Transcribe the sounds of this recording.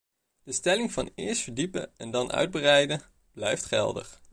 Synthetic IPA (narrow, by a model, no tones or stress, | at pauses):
d̥əstɛlɪŋvɑnɪ̰ːɹstfəɹdipə̰ɛndɑnʔœ̰ɥd̚bərɛjdə | b̥lɛjftχɛ̰lˠdə̰χ